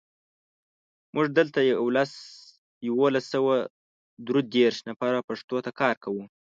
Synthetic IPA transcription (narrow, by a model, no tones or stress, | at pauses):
mʔʊʐd̪əlt̪ajawlas | jawolasːawa | d̪ɾud̪eɾʃnapaɾapaʂt̪ot̪akʰɑɾkawu